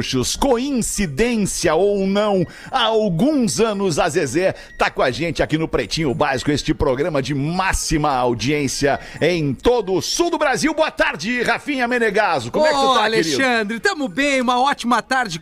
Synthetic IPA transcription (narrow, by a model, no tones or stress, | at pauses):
ʃʊskoĩsid̪ẽsiɐownɐ̃w̃ | aawɡũzɐ̃nʊzazezɛɾ | t̪akõaʒẽnt͡ʃɪakinʊpɾet͡ʃĩɲ̃ʊbaz̥kʊest͡ʃɪpɾoɡɾɐ̃mɐd͡ʒɪmasimɐawd͡ʒiẽsiɐ | ẽj̃t̪od̪ʊʊsuwd̪ʊbɾaziwboɐt̪aɾd͡ʒɪhafĩɲɐmeneɡazʊkomɛkkaleɾʃiɐ̃d̪ɾɪt̪ɐ̃mʊbẽj̃ũmɐɔt͡ʃimɐt̪aɾd͡ʒɪ